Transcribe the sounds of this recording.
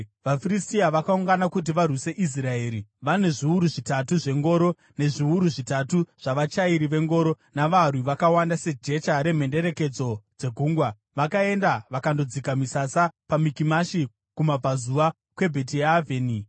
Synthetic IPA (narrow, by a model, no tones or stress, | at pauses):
ʋafiɾistiaʋakauŋɡanakut̬iʋarwise̞ʔis̬rae̞ːɾiʋane̞ʐiuɾuʐitatuʐe̞ŋɡo̞ːɾo̞ | ne̞ʐiuɾuʐitatuʐ̥aʋat͡ʃaiɾiʋe̞ŋɡo̞ːɾo̞ | naʋarwiʋakawandase̞d͡ʒe̞t͡ʃaɾe̞m̤e̞nde̞ɾe̞ke̞d͡zo̞d͡ze̞ɡʱuːŋɡwa | ʋakae̞ndaʋakando̞d͡zikamisasapamikimaʃi | kumab͡vazuʋa | kwe̞bʱe̞t̬ijaveːni